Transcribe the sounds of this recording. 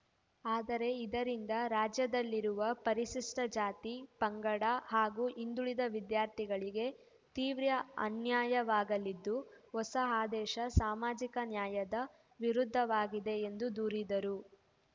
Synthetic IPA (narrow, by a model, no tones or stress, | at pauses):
aːd̪ɐɾe̞id̪ɐɾind̪ɐɾaːd͡ʒjɐd̪ɐlːiɾuʋɐpɐɾiʃiʂʈɐd͡ʒaːt̪ipɐŋɡɐɽɐɦaːɡuːʔind̪uɭid̪ɐʋid̪jaːɾt̪ʰiɡɐɭiɡe̞ | t̪iːʋɾjɐɐ̰njaːjɐʋaːɡɐlid̪ːuɦɔsɐaːd̪ɛːʃɐsaːmaːd͡ʒikɐnjaːjɐd̪ɐ | ʋiɾud̪ʱːɐʋaːɡid̪e̞ːnd̪ud̪uːɾid̪ɐɾu